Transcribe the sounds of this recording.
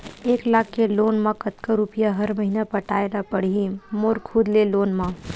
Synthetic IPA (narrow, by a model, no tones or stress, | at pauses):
eːklaːkːeloːnmãkət̪kaɾupijaɦəɾməɦinapəʈaːelapəɽ̤iimoːɾkʰud̪leloːnmã